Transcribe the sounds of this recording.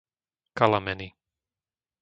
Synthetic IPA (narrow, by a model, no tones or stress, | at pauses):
kalamɛni